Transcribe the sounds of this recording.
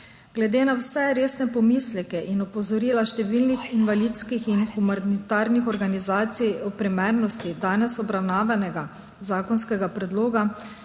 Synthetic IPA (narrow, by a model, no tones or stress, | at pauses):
ɡ̥lɛd̪eːnawsɛɾeːsnɛpɔmislɛkɛʔinɔpɔzɔɾiːlaʃt̪ɛʋiːlnixinʋaliːt̪skixinxumanit̪aːɾnixɔɾɡanizaːt̪siɔpɾɛmɛɾnɔst̪id̪aːnɛsɔbɾawnaːʋanɛɡa | zaːkɔnskɛɡapɾɛd̪loːɡa